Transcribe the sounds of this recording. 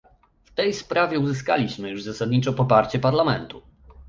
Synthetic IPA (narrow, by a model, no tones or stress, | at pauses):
ft̪ɛjspɾavʲjɛuzɘs̬ka̰lʲiɕmɘjuʐzasad̪ɲit͡ʂɔpɔpaɾt͡ɕɛpaɾlamɛnt̪u